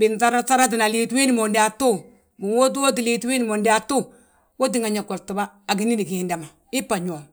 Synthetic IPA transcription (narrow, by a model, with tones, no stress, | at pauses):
bɪ˨nsa˦ɾa˦sa˦ɾa˦t̬i˨na˨liː˦twi˦ni˨mo˨ndi˦a˨tu˦ | mu˨wo˦t̬u˦wo˦t̬i˨liː˦twi˦ni˦˨mo˨nda˨tu˦ | wo˦t̬i˦ŋa˨ɲa˨ko˨ɾtu˨ba˦a˨ɡ̬i˦ni˦ni˨ki˨˦nda˨ma˨ | i˦pːa˨ɲ˨o˨m